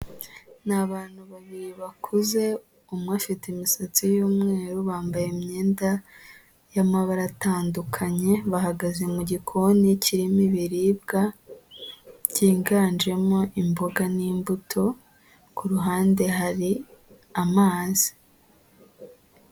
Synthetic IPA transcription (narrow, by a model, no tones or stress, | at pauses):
naβaːn̥huβaβiɾiβakʰuze̞ | umŋwaːfitimisat͡sijuːmŋe̞ːɾuβaːmbajemɲe̞ːnda | jamaβaɾataːndukʰaɲe̞βahaɡaze̞muɟikʰo̞nicʰiɾimiβiɾiːb̚ɡa | ɟiːŋɡaːnd͡ʒe̞mo̞ʔimboɡaniːmbutʰo̞ | kuɾuɦaːnde̞ɦaɾi | amaːzi̥